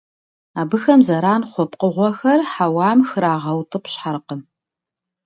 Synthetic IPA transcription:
aːbɨxɐmzɐɾaːnχʷɔpqəʁʷɔxɐrħawɑːmxɨɾaːʁɐwtʰɨpɕħaɾqəm

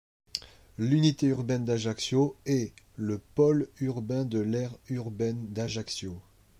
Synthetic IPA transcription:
lynit̪eyʁbɛnd̪aʒaksjoɛ | ləpɔlyʁbɛ̃d̪əlɛʁyʁbɛnd̪aʒaksjo

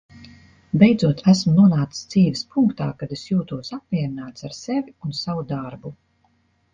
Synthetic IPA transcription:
bɛjd̪zuɔt̪ʰæsmunuɔnaːt̪i̥sd̪z̥iːvispʰuŋkt̪aːkad̪esjuːt̪uɔsap̚mʲiɛɾinaːt̪saɾsevʲiunsavud̪aɾbu

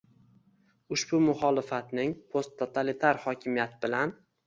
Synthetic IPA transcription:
ʊʃbʊmʊχɒlɪfat̪nɪŋpʰost̪ʰːot̪ʰalit̪ʰaɾhɒkʲʰɪmijat̪ʰɪbɪlan

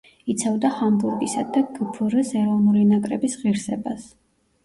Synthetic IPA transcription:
it̪sʰavd̪aχambuɾɡisad̪aɡəpʰuɾəsɛɾɔnuɾinakʼɾɛbisʁiɾsɛbas

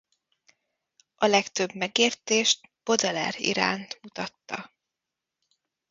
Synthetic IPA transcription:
ʔɒlɛkt̪øbmɛɡeːrt̪eːʃt̪b̥o̞d̪ɛlɛ̰rḭɾa̰ːnt̪mut̪ɒt̪ːɒ̰

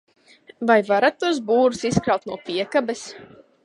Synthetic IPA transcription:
vajvaɾat̪ːuɔs̬buːɾusiskɾawt̪nuɔpiɛkabɛs

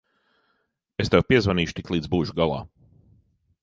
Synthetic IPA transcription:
est̪ɛwpiɛzvaniːʃut̪iklˠiːd̪zbuːʃuɡalˠa̰ː

